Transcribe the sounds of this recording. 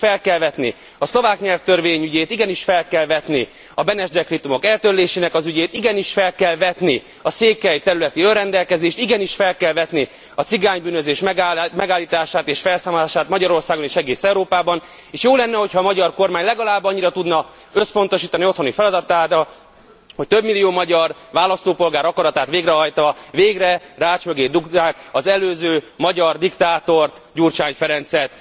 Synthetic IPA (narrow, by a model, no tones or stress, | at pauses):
fɛlkɛlvɛt̪nḭ | ɒslo̞vaːkɲɛlft̪ørveːɲyɟeːt̪iɡɛniʃfɛlkɛlvɛt̪ni | ɒbɛnɛʒd̪ɛkrit̪umo̞kɛlt̪øɾleːʃeːnɛkɒzyɟeːt̪iɡɛniʃfɛlkɛlvɛt̪ni | ɒseːkːɛjt̪ɛɾylɛt̪iønrɛnd̪ɛlkɛzeːʃt̪iɡɛniʃfɛlkɛlvɛt̪ni | ɒt̪siɡaːɲbyːnøzeːʃmɛmɛɡaːlːiːt̪aːʃaːt̪eːʃfɛlsaːmolaːʃaːt̪mɒɟɒɾo̞rsaːɡo̞neːʃɛɡeːsɛuɾoːpaːbɒn | eːʃjoːlɛnːɛho̞chɒːmɒɟɒrko̞rmaːɲlɛɡɒlaːbːɒɲːiɾɒt̪ud̪nɒ | øspo̞nt̪o̞ʃiːt̪ɒnio̞t̪ʰho̞nifɛlɒd̪ɒt̪aːɾɒ | ho̞c̚t̪øbmilːijoːmɒɟɒrʋaːlɒst̪oːpo̞lɡaːɾɒkɒɾɒt̪aːt̪ʋeːɡrɛɦɒjt̪ɒveːɡrɛraːt͡ʃmøɡeːd̪ukt̪aːkɒzɛløːzøːmɒɟɒrd̪ikt̪aːt̪o̞rt̪ɟurt͡ʃaːɲfɛɾɛnt̪sɛrt̪